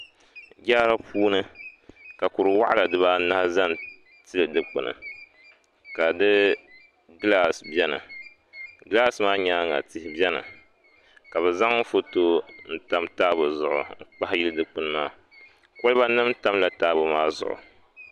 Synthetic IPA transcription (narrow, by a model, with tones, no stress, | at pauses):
ɡʲa˦ɾa˦pʰuː˦nɨ˦ka˨ku˨ɾɨ˨wa̰˦ʔa˦la˨dɨ˦βa˦na˦hza˦n˨ | tɨ˦lɨ˨dɨ˦k͡pɨ̰˨nɨ̰˨ | ka˨dɨ˦ | ɡla˦sbɛ˦nɨ̰˨ | ɡla˦smaː˦ɲaː˦ŋa̰˨tɪ˦hɪ˦bɛ˦nɨ̰˨ | ka˨βɛ˨za˦ŋ˦fo˦to˦n̩˦ta˦mtaː˦bʊ˨zʊ˨ʔʊ̰˨˦k͡pa˦hjɪ˦lɨ˦dɨ˨k͡pɨ˦n˦maː˦ | kɔ˦lba˦nɨ˦mta˦mla˨taː˦bʊ˨maː˦zʊ̰˨ʔʊ̰˨